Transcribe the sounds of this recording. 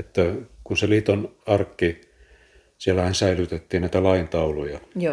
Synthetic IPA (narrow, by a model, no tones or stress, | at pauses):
et̪ːækunseliːt̪onɑrkːi | sielːæhænsæilyt̪et̪ːiːnnæˑit̪ælɑint̪ɑulujɑ